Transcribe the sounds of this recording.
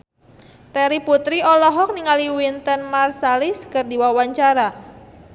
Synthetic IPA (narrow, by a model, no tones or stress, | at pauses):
t̪ɛɾiput̪ɾiɔlɔɦɔk̚niŋaliwint̪ənmarsaliskərdiwawaɲt͡ʃaɾa